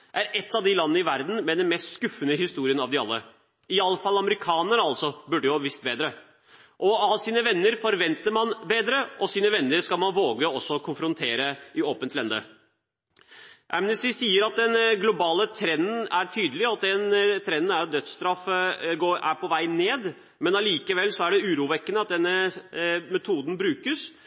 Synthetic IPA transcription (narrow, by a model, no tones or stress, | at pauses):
ʔæɾɛt̪ːɑʋd̪ɪlɑnːəɪʋæɾd̪n̩mɛd̪ɛnmɛst̪skʉfːənəɦɪst̪uːɾɪənɑʋd̪ɪɑ̰lːə̰ | ɪɑlːəfɑlːɑməɾɪkʰɑːnəɳəɑlsɔbʉɖːəjʊhɑːbəʋɪst̪beːd̪ɾə | ʔɔɑlsiːnəʋɛnːəɾfɔɾʋɛnt̪əɾmɑnbeːd̪ɾəʔɔsiːnəʋɛnːəɾskɑlmɑnʋoːɡəɔsːɔkʰʊnfɾʊnt̪ʰeːɾəʔɪoːpənt̪lɛnd̪ə̰ | ʔæmnəst̪ɪsiːəɾɑt̪̚d̪ɛnɡlʊbɑːlət̪ʰɾɛnːn̩æɾt̪ʰyːd̪əlɪɑt̪̚d̪ɛnt̪ʰɾɛnːn̩æɾ̚d̪œt̪st̪ɾɑfəɡoːɾæ̰ɾpʰɔʋæɪneːd̪ | mɛnɑliːkəʋɛlːsɔæɖɛʉːɾuːʋɛkːənəɑt̪̚d̪ɛnːə | mɛt̪ʰuːd̪n̩bɾʉːkəs